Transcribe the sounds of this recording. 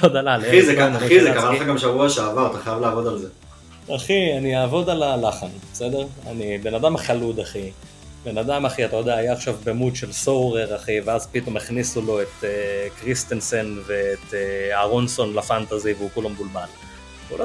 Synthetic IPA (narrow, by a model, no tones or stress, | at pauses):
od̪alaleizekaizekamaaɡamʃavuaʃeavaʁat̪aχajavlaavo̞d̪alze | aχianiaːvo̞d̪alalaχanbesed̪eʁa̰nibe̞nad̪amaχalud̪aχi | be̞nad̪amaχiat̪ajo̞d̪eaːjaːχʃavbemud̪ʃe̞lsowʁeʁaχiveazpit̪o̞meχnisulo̞e̞t̪ekʁist̪ense̞nve̞ːt̪aʁo̞nso̞nlafant̪aziveukulomɡulbal | ṵlo